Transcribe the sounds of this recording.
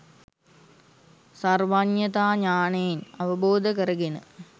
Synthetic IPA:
sɐrʋaɲjɐt̪aːɲaːneːnɐʋəboːd̪ʱəkəɾəɡenə̰

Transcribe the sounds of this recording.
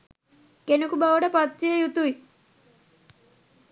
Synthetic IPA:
kenukubaʋɐɖɐpɐt̪ːijejut̪ui

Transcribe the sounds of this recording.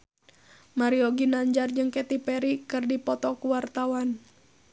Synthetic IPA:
maɾioɡinaɲd͡ʒard͡ʒɨŋkɛt̪ipɛɾikɨrdipɔt̪ɔkuwart̪awan

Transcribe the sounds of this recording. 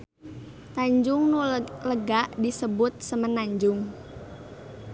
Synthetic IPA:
t̪aɲd͡ʒʊŋnuləɡaʔdisəbʊt̪̚səmənaɲd͡ʒʊŋ

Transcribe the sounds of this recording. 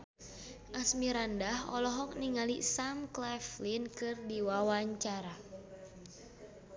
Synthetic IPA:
ʔasmiɾandahɔ̰lɔɦɔk̚niŋalisamklɛflinkɨrdiwawaɲt͡ʃaɾa

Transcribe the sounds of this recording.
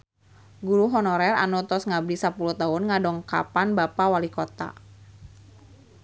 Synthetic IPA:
ɡuɾuɦɔnɔɾɛɾa̰nɔt̪ɔsŋablisapulut̪aʊnŋadɔŋka̰panbapawalikɔt̪a̰

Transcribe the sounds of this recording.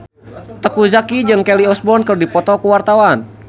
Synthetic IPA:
t̪əkuzakid͡ʒɨŋkɛliɔsbɔnkərdipɔt̪ɔkuwart̪awan

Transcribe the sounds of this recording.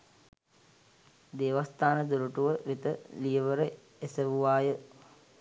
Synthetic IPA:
d̪eːʋast̪aːnəd̪uɾuʈuʋəʋit̪əlijəʋəɾə | esəʋuʋaːjə

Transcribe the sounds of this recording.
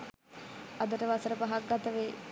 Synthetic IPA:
ɐd̪əʈəʋasəɾəpaɦak̚ɡat̪əʋe

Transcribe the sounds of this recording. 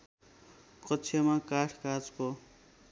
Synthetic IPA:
kʌtːt͡sʰemakaʈʰkad͡zko

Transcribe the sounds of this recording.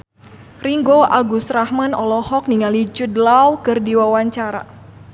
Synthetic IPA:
riŋɡoʔaɡusrahmanɔlɔhɔk̚niŋalit͡ʃudlawkɨrdiwawaɲt͡ʃaɾa̰

